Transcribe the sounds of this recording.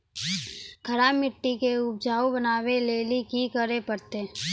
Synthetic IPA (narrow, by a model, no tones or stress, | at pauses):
kʰəɾaːmɪʈːikeʊb̚d͡ʒaːobənaːweleːlikikəɾepəɾt̪eː